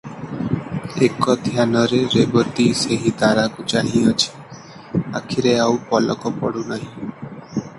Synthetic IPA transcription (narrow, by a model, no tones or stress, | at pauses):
ekɔd̪ʱjanɔɾeɾebɔt̪iseɦit̪aɾakut͡ʃaɦĩɔt͡ʃʰi̥ | a̰kʰiɾeawpɔlɔkɔpɔɽunaɦĩ